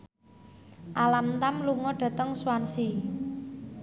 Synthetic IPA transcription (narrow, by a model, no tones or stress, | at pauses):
ʔalamt̪amluŋɔɖ̥ä̤t̪əŋswansi